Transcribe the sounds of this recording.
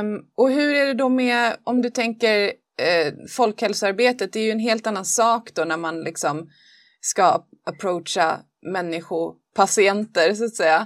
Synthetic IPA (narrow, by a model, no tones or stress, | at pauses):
ɔɦɵɾæɖɛd̪ɔmɛɔmd̪ɵt̪ʰɛŋkəɾ | fɔlkhɛlsəaɾbeːt̪ət̪̚d̪ɛæɾjɵɛnɦeːlt̪anːansɑːkd̪ɔnæɾmanlʔɪksɔm | ska | apʰɾoːtʂa̰ | mɛnːɪɧʊ | pʰasɪɛnt̪əɾsʊaːt̪sɛjːa